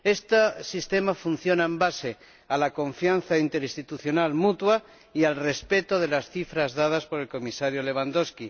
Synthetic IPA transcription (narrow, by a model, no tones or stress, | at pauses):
est̪asist̪e̞mafun̟θjo̞naembase̞ | alako̞ɱfjanθaint̪e̞ɾist̪it̪uθjo̞nalmut̪wa | ialre̞spe̞t̪oðe̞lasθifɾazðað̞aspo̞ɾe̞lko̞misaɾjole̞β̞and̪o̞ski